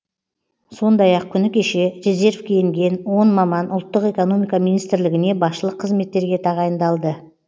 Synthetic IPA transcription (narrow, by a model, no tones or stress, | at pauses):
so̞nd̪ɑjɑq̚kʲʰʏnɪkʲʰe̞ʃe̞ɾeze̞ɾvkʲʰej̪ɪŋɡʲe̞nwo̞nmɑmɑnʔʊlˠt̪ːəqe̞ko̞no̞mijkɑminijst̪ɪɾlɪɡʲɪne̞bɑsʃəlˠəqʰːəzme̞t̪ːe̞ɾɡʲe̞t̪ʰɑʁɑjənd̪ɑlˠd̪ə